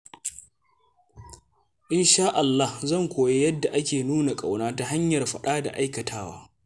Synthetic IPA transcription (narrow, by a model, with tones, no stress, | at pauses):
ʔɪ˦nʃaː˦ʔa˨lːa˦hzɐ˦˨ŋkʷoː˨je˦jɐ˦dːa˨ʔa˦kʲeː˨nuː˦na˨kʼa˨wnaː˦ta˦ɦa˦ɲjɐ˨rɸɐ˦ɗaː˦da̰˨ʔa˦jkɐ˨tʰaː˦wa̰ː˦